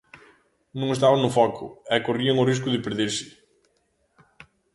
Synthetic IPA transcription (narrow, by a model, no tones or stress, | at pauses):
nõŋest̪aβaŋnʊfɔkʰʊ̰ɛkoriɐŋʊriskʊðɪpeɾðeɾsɪ̥